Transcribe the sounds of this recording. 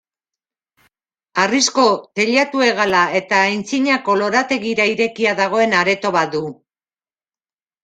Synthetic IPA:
arisko̞t̪e̞ʎat̪ue̞ɣ̞alae̞t̪aːjnt͡siɲako̞lo̞ɾat̪e̞ɣiɾaiɾe̞kiaðaɣ̞o̞e̞naɾe̞t̪o̞βat̪̚d̪u

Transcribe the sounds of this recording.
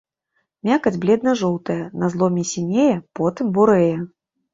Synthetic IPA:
mʲakɐd͡zʲblʲɛd̪nɐʐɔlˠt̪ɐjɐnɐzlˠɔmʲisʲinʲejɛpɔt̪ɨmbuɾɛjɛ

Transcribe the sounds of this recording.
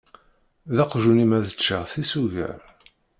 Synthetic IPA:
ðɑqʒunimæðət͡ʃːəʁθisuʝə̰ɾ

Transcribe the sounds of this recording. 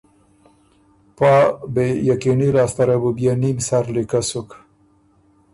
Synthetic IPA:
pɑːbejakinilɑːst̪aɾabubjanimsaɾlikasuk

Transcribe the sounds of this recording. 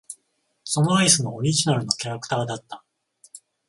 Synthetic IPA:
so̞noaisɨnooɾʲiʑinaɾɯ̟no̞kʲaɾakɯ̟̥t̪aːd̪at̪ːḁ

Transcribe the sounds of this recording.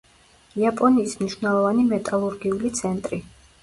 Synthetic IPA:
iapʼɔniːsmniʃvnɛlˠɔvanimɛt̪ʼalˠuɾɡiulit̪sʰɛnt̪ʼɾi

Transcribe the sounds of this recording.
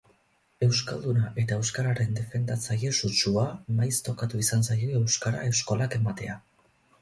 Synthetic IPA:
e̞wska̰ld̪unaʔe̞t̪ae̞wskaɾaɾe̞nd̪e̞fe̞nd̪at͡saje̞sut͡ʃuamajst̪o̞kat̪uisansajo̞ewskaɾa̰e̞wsko̞lake̞mat̪e̞a

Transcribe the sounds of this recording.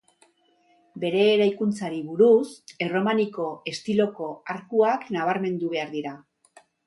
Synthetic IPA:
be̞ɾe̞ːɾajkunt͡saɾiβuɾuse̞ro̞maniko̞e̞st̪ilo̞ko̞aɾkuaknaβ̞aɾme̞nd̪uβe̞aɾðiɾa

